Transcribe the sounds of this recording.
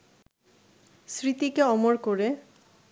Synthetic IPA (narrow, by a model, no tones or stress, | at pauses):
sɾit̪ikeɔmoɾkoɾe